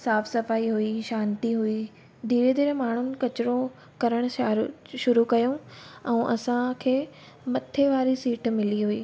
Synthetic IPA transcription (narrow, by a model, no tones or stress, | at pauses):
saːfsɐfaːiɦuiʃãːnt̪iɦui | d̪ʱiːɾed̪iːɾmaːɳ̤ʊnɪ̆kɐt͡ɕɪɾõ | kɐɾəɽ̃ʊ̆ʃaːɾʃʊɾukɐjũɛ̃ːʔɐsãkʰeː | mɐt̪ʰeʋaːɾisiːʈmɪliɦuḭː